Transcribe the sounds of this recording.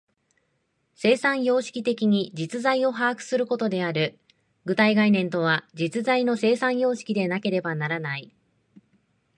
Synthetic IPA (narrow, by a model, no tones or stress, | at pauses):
se̞ːsãɰ̃jo̞ːɕi̥kʲit̪e̞kʲiɲ̟id͡ʑit͡sɨzaio̞ɦaːkɯ̟̥sɨɾɯ̟ko̞t̪o̞d̪e̞aɾɯ̟ | ɡɯ̟t̪aiɡainẽ̞nt̪o̞β̞ad͡ʑit͡sɨzaino̞se̞ːsãɰ̃jo̞ːɕi̥kʲid̪e̞nake̞ɾe̞banaɾanai